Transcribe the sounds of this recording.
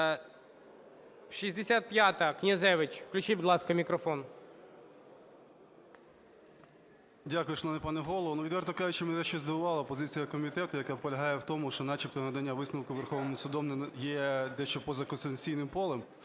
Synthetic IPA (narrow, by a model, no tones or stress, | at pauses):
ʃizʲd̪esʲat̪̚pʲjat̪ɐknʲɐzɛʋɪt͡ʃʲwklʲʉt͡ʃijbʊd̪ˠɑskɐmʲikɾɔfɔn | dʲakʊjʊʃnɔnɪpɑnɛɦɔlˠɔʋɔnuʋʲid̪ʋɛrt̪ɔkɑjʊt͡ʃɛmenɛd̪ɛʃt͡ʃɔzd̪ɐbʊʋɑlˠɐpɔzɪt͡sʲijɐkɔmʲit̪ɛt̪ʊjɐkapɔlʲɐɦɑjɛwt̪ɔmʊʃt͡ʃɔnɑt͡ʃip̚t̪ɔɦnɐd̪ɐnʲːaʋɪsnɐwkʊʋerxɔʋnmʊsʊd̪ɔmnjɛd̪ɛʃt͡ʃɔpɔzɐkɔnst̪ent͡sʲijnɪmpɔlˠɛm